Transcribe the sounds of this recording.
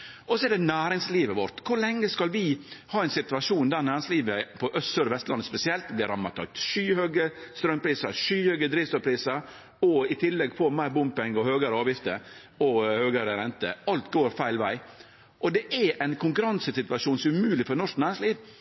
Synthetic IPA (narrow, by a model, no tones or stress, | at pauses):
ʔɔsɔɛɖ̪ɛnæːɾɪŋsliːʋəʋɔɾt̪kʰʊɾɭɛŋːəskɑlʋɪhɑːɛɪnsɪt̪ʉʋɑʂuːnd̪æːɾnæːɾɪŋsliːʋəpʰɔʔœst̪søːɾʋɛst̪əlɑnːəspɛsɪɛlt̪blɪɾɑmːɑt̪ʰɑ̰k̚t̪ʂyːhøːɡəst̪ɾœmpʰɾiːsɑ̰ʂyːhøːɡəd̪ɾiːʋst̪ɔːɾpʰɾiːsəɾ | ɔɪt̪ʰɪlːɛɡfɔmæɪɾbʊmpɪŋɔhøːɡəɾəɑːʋjɪft̪ə̰ | ɔhøːɡəɾəɾɛnt̪ə̰ɑlt̪ɡoːɾfæɪlʋæɪ | ʔɔd̪ɛʔææɪnkʰʊŋkʉɾɑnsəsɪt̪ʋɑʂuːnsɔʉmʉːlɪfɔɾnɔʂknæːɾɪŋsliːʋ